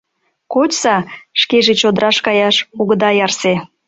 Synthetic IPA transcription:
kot͡ɕsɑʃkeʒĕt͡ɕod̪əɾɑʃkɑjɑʃuɣəd̪ɑjɑrse

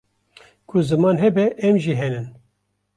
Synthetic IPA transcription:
kʰʊzɨmɑːnɦɛbɛʔɛmʒiɦɛnɨn

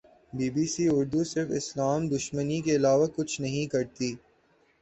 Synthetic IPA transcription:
biːbiːsiʊɾd̪usɪɾfɪslaːmd̪ʊʃmənikeɪlaːʋakʊt͡ʃʰnɐɦĩkɐɾt̪iː

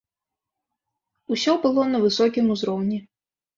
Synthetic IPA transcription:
usʲɔbɨlˠɔnɐvɨsɔkʲimuzɾɔwnʲi

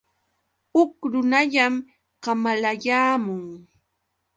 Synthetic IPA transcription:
ʊkɾʊnaʎam | ɢɑmalajaːmʊŋ

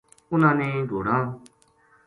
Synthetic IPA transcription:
ʊnãːneːɖʱoːɽãː

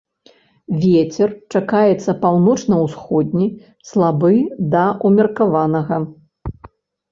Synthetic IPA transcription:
vʲet͡sʲɛrt͡ʂakajɛt̪sːɐpawnɔt͡ʂnɐwsxɔd̪ʲnʲi | slˠabɨd̪ɐʔumʲɐrkavanɐɣɐ

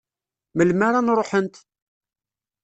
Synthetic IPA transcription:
məlmaɾanɾˤoħənt̪

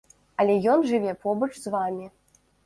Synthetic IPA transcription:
ɐlʲɛjɔnʐɨvʲɛpɔbɐt͡ʂzvamʲi

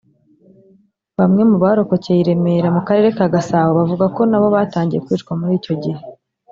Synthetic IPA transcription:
βamŋe̞muβaɾo̞ko̞cejiɾe̞me̞ɾamukaɾe̞ɾe̞kaɡasaːwoβavuɡako̞naβo̞βaːtaːɲɟije̞kwiːt͡ʃkwamuɾiːco̞ɟihe̞

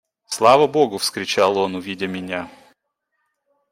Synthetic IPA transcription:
slˠavəboɡʊfskɾʲɪt͡ɕalˠonʊvʲidʲəmʲɪnʲa

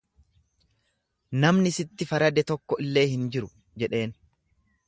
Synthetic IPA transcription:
nɐmnɪsɪt̪ːɪfɐɾɐd̪ɛt̪ɔkːɔʔɪlːe̞ːhɪnd͡ʒɪɾʊ | d͡ʒɛᶑe̞ːn

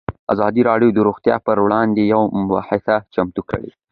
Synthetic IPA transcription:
azɑd̪iɾɑɖjod̪əɾoɣt̪jɑ̰pəɾwɽɑnd̪ejawmʊwa̰ħɪsat͡ʃamt̪ukə̰ɽḛ

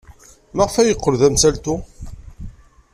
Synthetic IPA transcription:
mæʁfæjəqːəɾðæmsælt̪u

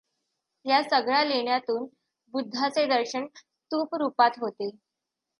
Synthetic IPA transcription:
jasəɡɭjaleɳjat̪uːn | bud̪ʱːat͡sed̪əɾɕəɳst̪uːpɾupat̪ɦot̪e

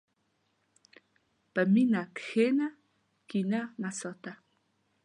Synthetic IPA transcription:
pəminakxena | kinanasɔt̪a

